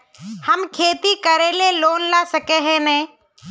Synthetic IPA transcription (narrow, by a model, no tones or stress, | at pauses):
hɐmkʰeːt̪ikɐɾeleloːnlaːsəkeɦɛ̃nɛ̃ː